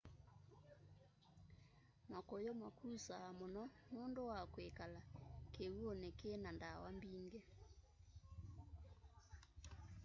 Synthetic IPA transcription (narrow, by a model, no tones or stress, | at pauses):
makojomakusaːmonɔnondowakwekalakeuonekenandawambiŋɡɛ